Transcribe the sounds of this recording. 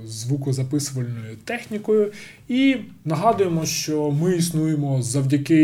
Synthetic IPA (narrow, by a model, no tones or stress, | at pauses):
zʋukɔzɐpɪsʊʋɐlʲnɔjʊt̪ɛxnʲikɔjʊ | inɐɦɑd̪ʊjemɔʃt͡ʃɔmɪisnujemɔzɐwdʲɐkɪ